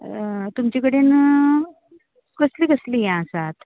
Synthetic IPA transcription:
t̪umt͡ɕekəɽen | ɡəsliːɡəslijãəsat̪

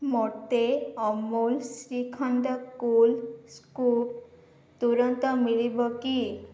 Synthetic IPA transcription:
moʈeɔmolsɾikʰɔɳɖɔkulsku | t̪uɾɔnt̪ɔmilibɔki

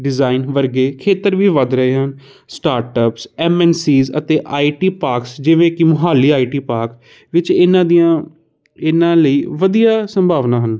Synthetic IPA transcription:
ɖɪzaːinʋəɾɡeːkʰeːt̪əɾʋiːʋəd̪ɾəɦeːɦən | sʈaːɾʈəpsɛːmɛːnsiːzə̰t̪eːʔaːiːʈiːpaːɾksd͡ʒɪʋẽːkɪmʊɦaːlːiːaːiːʈiːpaːɾk | ʋɪt͡ʃɪnãːd̪ijãː | ɪnãːləiːʋəd̪ijaːsə̃mbʱaːʋnãːɦən

